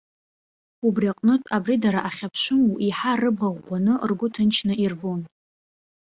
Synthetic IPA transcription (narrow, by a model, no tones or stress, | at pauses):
ubrʲiaqʼnɨtʷʼabridaɾaʔaχʲapʰʃʷɨmuʔiħarɨbʁaʁːʷanɨ̰rɡʷʊtʰɨnt͡ʃʰnɨʔirbon